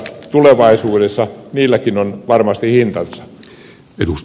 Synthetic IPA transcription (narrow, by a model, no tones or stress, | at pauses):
t̪uleʋɑisuːdesːɑniːlːækinonʋɑrmɑst̪ihint̪ɑnsːɑ̥ | et̪us